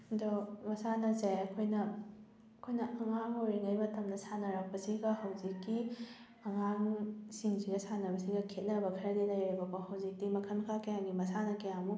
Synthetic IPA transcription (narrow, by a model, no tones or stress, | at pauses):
domɐsanɐzejɐkʰojnɐ | ɐkʰojnɐʔɐŋaŋojɾiŋɡɐjmɐtɐmnɐsanɐɾɐk̚pɐsiɡɐhɐwzikːi | ɐŋaŋsiŋziɡɐsanɐbɐsiɡɐkʰet̚nɐbɐkʰɐɾɐdilɐjɾibɐkohɐwzik̚dimɐkʰɐnkʰakɐjaŋɡimɐsanɐkɐjamu